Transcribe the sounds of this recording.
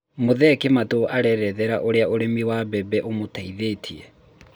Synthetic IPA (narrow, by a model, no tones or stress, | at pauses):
moðɛkematoʔaɾɛɾɛðɛɾaʔoɾeaoɾemiwabɛbɛʔomotaiðetʰiɛ